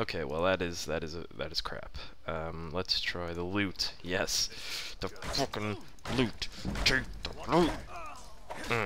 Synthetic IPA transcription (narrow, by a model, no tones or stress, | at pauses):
oʊkʰeɪwɛ̰lˠðɨɾɪzðɨɾɨzɨ̰ðɨ̰ɾɨz̥kʰɹ̥æ̰p | ʌ̃mlətstʰɹ̥aɪðəlʉtjɛsðəfʊkɨ̃n | lʉttʰitəlut̚ | m̩